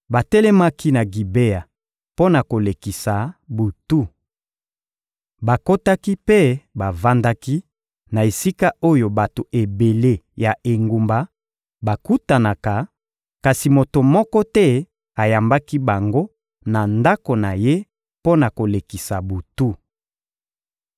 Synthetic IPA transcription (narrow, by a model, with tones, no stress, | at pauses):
ba˨tɛ˦lɛ˦ma˦ki˦na˨ɡi˨be˦ja˨ | po˦na˨ko˨le˨ki˨sa˨bu˨tu˦ | ba˨ko˦ta˦ki˦pe˦ba˨va˦nda˦ki˦ | na˨e˨si˦ka˦o˦jo˨ba˨to˨ʔe˨be˨le˦ja˨ʔe˨ŋɡu˨mba˨ | ba˨ku˦ta˨na˨ka˨ | ka˨si˨mo˨to˨mɔ˦kɔ˦tɛ˦ | a˨ja˨mba˦ki˦ba˨ŋɡo˦ | na˨nda˦ko˨na˨je˦ | po˦na˨ko˨le˨ki˨sa˨bu˨tu˦